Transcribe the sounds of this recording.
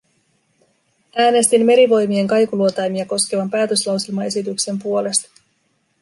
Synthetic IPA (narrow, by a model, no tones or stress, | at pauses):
æːne̞st̪imːe̞ɾiʋo̞jmie̞ŋkɑjkuluot̪ɑjmiɑko̞ske̞ʋɑmpæːt̪ø̞slɑwselmɑe̞sit̪ykse̞mpuo̞le̞st̪ɑ̥